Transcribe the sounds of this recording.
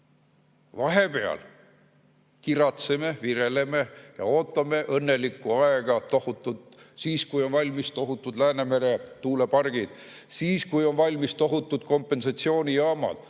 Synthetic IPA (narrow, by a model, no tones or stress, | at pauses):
vɑɦe̞pe̞ɑ̰l | kiɾɑt̪seme̞viɾe̞le̞me̞jɑ̰o̞ːt̪ːˑɑme̞ʔɤnːe̞likːˑuɑeɡ̥ɑt̪o̞hut̪ːˑud̪̥siːskujo̞nvɑlʲmist̪o̞ɦut̪ːˑud̪læːne̞me̞ɾe̞t̪uːle̞pɑrɡ̥id̪̥ | siːskujo̞nvɑlʲmist̪o̞ɦut̪ːˑud̪̥ko̞mpːe̞nsɑt̪sio̞ːnʲijɑːmɑ̰d̪̥